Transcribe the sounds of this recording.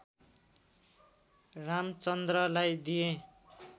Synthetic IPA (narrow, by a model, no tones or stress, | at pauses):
ramt͡sʌnd̪rʌlajd̪ijẽ